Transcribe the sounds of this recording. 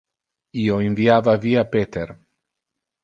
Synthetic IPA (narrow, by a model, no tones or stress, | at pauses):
ioiɱviavaviapet̪eɾ